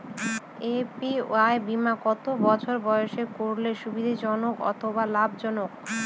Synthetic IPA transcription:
epiaebimakɔt̪obɔt͡ɕʰoɾbɔjoʃekoɾleʃubid̪ʱid͡ʑɔnokɔ̰t̪ʰobalabʱd͡ʑɔnok

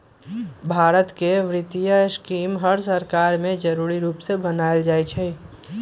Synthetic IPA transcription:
bʱaːɾət̪keʋɾɪt̪ijaskiːmɦəɾsəɾkaːɾmẽd͡ʒəɾuːɾiɾuːpsebənaːeld͡ʒaːet͡ʃʰɛ

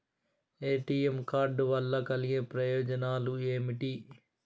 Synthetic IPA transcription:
eːʈiːemkaɾɖʋaːlːaːkəlɪjẽːpɾəjoːd͡ʒənaːlũːeːmɪʈiː

